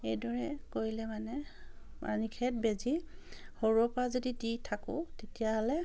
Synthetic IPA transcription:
ejdɔɹɛkoɹilɛmanɛ | ma̰nikʰɛt̚bezihoɹuɔpazodiditʰakʊ̰̃tetijaɦɔlɛ

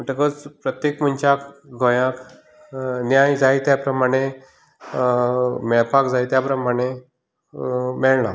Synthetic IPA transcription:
məʈəkət͡spɾət̪jekməɲt͡ɕakɡʱojak | njajd͡zajt̪japɾəmaɽ̃e | mɛɭpakd͡zajt̪japɾəmaɽ̃e | mɛɭna

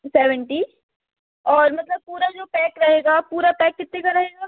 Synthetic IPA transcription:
seːʋəɳʈiː | ɔːɾmɐt̪ləb̚puːɾad͡ʒoːpɛːkɾɐɦeːɡapuːɾapɛːkːɪt̪ːẽkaɾɐɦeːɡaː

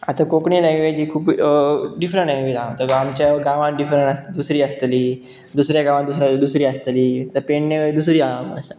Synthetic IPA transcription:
at̪akokɳilaɡʋed͡ʑiːkʰuːpɖifɾəɳʈãɡʋiːlamt̪əamt͡ɕjaɡaʋãɖifɾəɳʈast̪d̪usɾiːəst̪liː | d̪usɾjaɡãʋãd̪usɾãd̪usɾiːəst̪liːat̪apeɳnekəid̪usɾiːamə̰ɕa

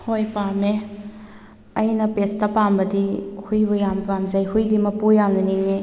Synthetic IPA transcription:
hojpame | ɐjnɐpestɐpambɐdihujbɐjampamzɐjhujdimɐpujamnɐniŋe

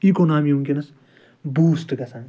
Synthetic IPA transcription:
kikonɦamiũŋkenɐs | buːsʈɡɐsãŋ

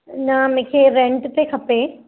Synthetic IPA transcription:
nãːmekʰeɾeɳʈɨt̪ekʰɐpːeː

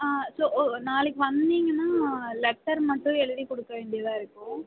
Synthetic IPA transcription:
aːsoːnaːlɯkːɯʋɐnd̪iːŋɡɐnːaːlɛk̚ʈːɐɾmɐʈːʊ̃ɛɭɯðikɔɽɯkːɐʋeːɳɖɪjɐðãːɪɾɯkːʊ̃

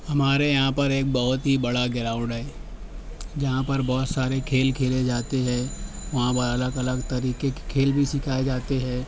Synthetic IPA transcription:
hɐmaːɾejɐɦãpɐɾeːk̚bɐɦʊt̪ɦibɐɽaɡɪɾaːʊ̃ɳɖɛ | d͡ʒɐɦãpɐɾbɔːt̪saːɾekʰeːlkʰeːled͡ʒaːt̪eɦɛ̃ː | ʋɐɦãpɐɐləɡɐləɡt̪ɐɾiːkekʰeːlbʱisɪkʰaːed͡ʒaːt̪eɦɛ̃ː

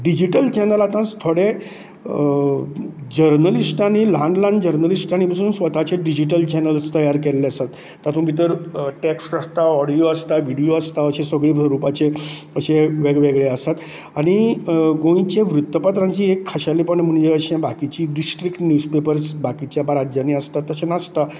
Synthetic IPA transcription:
ɖid͡ʑiʈəlt͡ɕɛnəlat̪ãst̪ʰoɽe | d͡ʑəɾnəlisʈanilãɳɖlãnd͡ʑəɾnəlisʈañibəsuːnsʋət̪at͡ɕeɖid͡ʑiʈ̬əlt͡ɕɛnəlst̪əjaɾkɛlleəsat̪ːat̪ʰũbʱit̪əɾʈeksʈəst̪aɔɽioəst̪aʋiɽijoəst̪aəɕẽsəɡɭibʱɾəɾupat͡se | əɕẽʋeɡʋeɡɭeəsat̪ | aɽ̃iɡõĩt͡ɕeʋɾut̪ːəpat̪ɾãɲt͡ɕiːekʰːaɕalipəɳm̤əɳd͡ʑeəɕẽbakit͡ɕiːɖisʈɾikʈnjuspepəɾsbakit͡ɕjapaɾad͡ʑjaniəst̪at̪ːəɕenast̪a

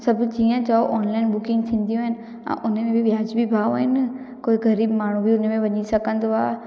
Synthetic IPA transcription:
sɐbd͡ʒiːə̃t͡ʃaoʔɔːnlaɪnbʊkɪ̃ŋɡ̚t̪ʰĩːnd̪ijõɦɪnɪ | ã̰ʔʊn̤mẽbʱiʋjaːd͡ʒbʱibʱaːoɦɪn | koːiɣɐɾiːbmaːɳ̤ũbʱiʊnmẽʋɐɲisɐkə̃nd̪aː

